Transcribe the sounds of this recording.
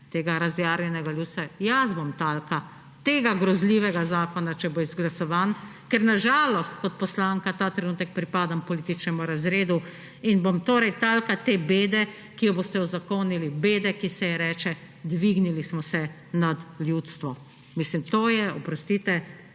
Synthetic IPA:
t̪eːɡaɾazjaːɾnʲɛnɛɡaljuːt̪sajazbomt̪aːlka | t̪eːɡaɡɾɔzliʋɛɡazaːkɔnat͡ʃɛbojizɡlasɔʋankɛɾnaʒaːlɔst̪kɔt̪̚pɔslaːŋkat̪aːt̪ɾɛnuːt̪ɛk̚pɾipaːd̪ampɔliːt̪it͡ʃnɛmuɾazɾeːd̪u | inbomt̪oːɾɛjt̪alkat̪eːbeːd̪ɛ | kijɔboːst̪ɛɔzakonilibeːd̪ɛkisɛjɛɾɛːt͡ʃɛ | d̪ʋiɡnilismɔsɛ | nad̪ljut̪st̪ʋɔ | mislimt̪oːjɛɔpɾɔst̪iːt̪ɛ

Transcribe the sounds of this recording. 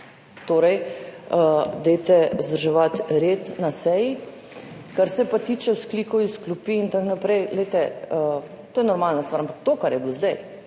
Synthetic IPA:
t̪oːɾɛjəd̪et̪ɛzd̪əɾʒɛʋat̪ɾet̪nasɛji | kaɾsɛpat̪iːt͡ʃɛwskliːkɔisklupiːnt̪aknapɾɛjlet̪ɛə | t̪oːjɛnɔɾmalnast̪ʋaɾampak̚t̪okaɾjɛblozd̪ɛj

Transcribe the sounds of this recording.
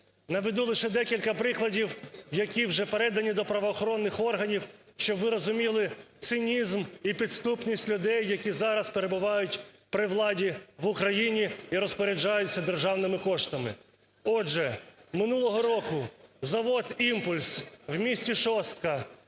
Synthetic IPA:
nɐʋed̪ulˠɪʃɛd̪ɛkʲilʲkɐpɾɪklˠɐdʲiwjɐkʲiwʒɛpeɾɛd̪ɐnʲid̪ɔpɾɐʋɔːxɔɾɔnːɪxɔrɦɐnʲiw | ʃt͡ʃɔʋɪɾɔzʊmʲilˠɪt̪sɪnʲizmipʲid̪st̪upnʲisʲtʲlʲʊd̪ɛjːɐkʲizɑɾɐspeɾe̞bʊʋɑjʊtʲpɾɪwlˠɑdʲiʋʊkɾɐjinʲiiɾɔspɔɾʲed͡ʒɑjʊt͡sʲːɐd̪erʒɑwnɪmɪkɔʂt̪ɐmɪ̰ | ɔd͡ʒɛmɪnulˠɔɦɔɾɔkʊzɐʋɔt̪impʊlʲswmʲisʲtʲiʃɔst̪̚kɐ

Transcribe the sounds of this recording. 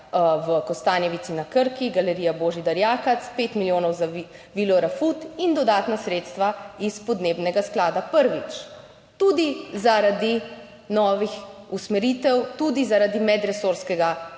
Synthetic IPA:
wəkɔst̪aːnjɛʋit̪sinakəɾkiɡalɛɾijaboːʒid̪aɾjaːkat̪speːt̪miljoːnɔwza | ʋilɔɾafut̪ind̪ɔd̪aːt̪nasɾeːt̪st̪ʋaispɔd̪neːbnɛɡasklaːd̪apəɾʋit͡ʃ | t̪ud̪izaɾad̪i | nɔːʋixusmɛɾit̪ɛwt̪ud̪izaɾad̪imɛd̪ɾɛsoːɾskɛɡa

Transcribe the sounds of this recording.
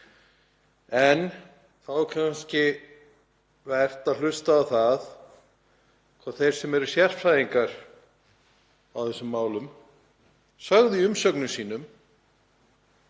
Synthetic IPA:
ɛn | θawkʰanscɪ | vɛr̥t̪aðlʏst̪aːwθað | kʰvɔθejɾ̥sɛmɛɾʏ̥sjɛr̥fɾajðiŋkaɾ | a̰wθɛsːʏmːaːwlʏm | sœɣðɪiʏmsœknʏsiːn̪ʏm

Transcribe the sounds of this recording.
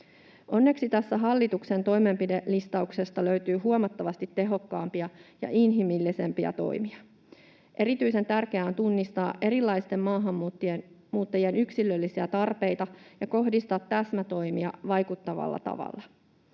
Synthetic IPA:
ʔo̞nːe̞ksit̪æsːæɦɑlːit̪ukse̞nt̪o̞jme̞mpide̞list̪ɑukse̞st̪ɑlø̞ɥt̪yːɦuomɑt̪ːɑʋɑst̪it̪ːe̞ɦo̞kːɑːmpiɑjɑ̰ʔinɦimilːise̞mpiɑ̰t̪o̞̰jmiɑ | ʔe̞ɾit̪yjse̞nt̪ærk̟eæont̪unːist̪ɑːʔe̞ɾilːɑjst̪e̞mmɑːɦɑmːt̪ːiemuːt̪ːɑjie̞nyksilːø̞lːisiæt̪ɑrpe̞jt̪ɑjɑko̞ɦdist̪ɑt̪t̪æsmæt̪o̞jmiɑʋɑjkut̪ːɑʋɑ̰lːɑ̰t̪ɑ̰ʋɑ̰lːɑ

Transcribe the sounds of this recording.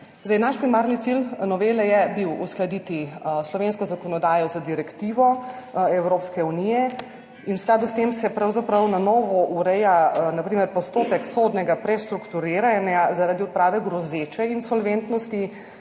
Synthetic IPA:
zd̪ajnaʃpɾimaɾnit̪silnɔʋelɛjɛbiwusklad̪it̪islɔʋenskɔzakɔnɔd̪aːjɔzad̪iɾɛkt̪iʋɔɛwɾoːpskɛunijɛ | inwsklaːd̪ust̪emsɛpɾawzapɾɐwnanɔːʋɔʔuɾɛjanapɾiːmɛɾpɔst̪oːpɛksod̪nɛɡapɾɛst̪ɾukt̪uɾeɾanjazaɾaːd̪iɔt̪̚pɾaːʋɛɡɾɔzet͡ʃɛinsɔlʋent̪nɔst̪i

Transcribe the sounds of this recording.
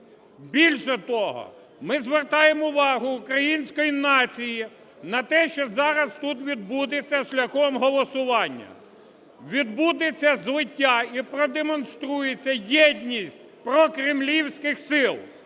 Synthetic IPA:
bʲilʲʃɛt̪ɔɦɔ̰ | mɪzʋert̪ɑjemʊʋɑɦʊːkɾɐjinʲsʲkɔjinɑt͡sʲiji | nɐt̪ɛʃt͡ʃɔzɑɾɐst̪ut̪ʋʲid̪̚bud̪et͡sʲːɐʃlʲɐxɔmɦɔlˠɔsʊʋɑnʲːɐ̰ | ʋʲid̪bud̪et͡sʲːɐzʋɪtʲːaipɾɔd̪emɔnst̪ɾujet͡sʲːɐjɛdʲnʲisʲtʲpɾɔkɾɪmlʲiwsʲkɪxsɪlˠ

